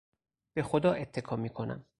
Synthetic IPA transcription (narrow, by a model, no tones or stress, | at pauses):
b̥e̞xod̪ɒːʔe̞t̪ʰːe̞kʰɒːmiːkʰonæ̰m